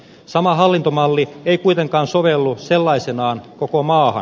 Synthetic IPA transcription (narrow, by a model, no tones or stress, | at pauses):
sɑmɑɦɑlːint̪omɑlːieikuit̪eŋkɑːnsoʋelːuselːɑisenɑːnkokomɑːhɑ̰n